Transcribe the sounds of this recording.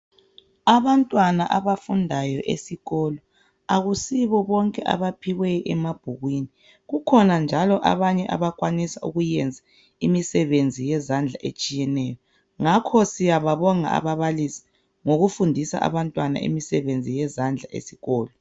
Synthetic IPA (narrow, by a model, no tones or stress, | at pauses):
aβantʼwanaʔaβafundʱajɔʔḛsiɣɔlɔ | aɣusiβɔβɔŋkʼɛʔa̰βapʰiɣwɛʔɛmab̥ʱuɣwini | ɣukʰɔnand͡ʒʱalɔʔa̰βaɲɛʔa̰βaɣʼwanisauɣujɛnd͡zʱa | imisɛβend͡zʱijɛzand͡ɮʱaʔet͡ʃʼijɛnɛːjɔ | ŋakʰɔsijaβaβɔŋa̰a̰βaβalisi̥ | ŋoɣufundʱisa̰ʔa̰βantʼwana̰ʔḭmisɛβend͡zʱijɛzand͡ɮʱaʔḛsi̥ɣɔːlɔ